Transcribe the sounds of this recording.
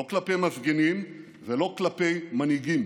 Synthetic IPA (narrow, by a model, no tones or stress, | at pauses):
oklape̞jmafɡenim | velo̞klape̞jmaniɡim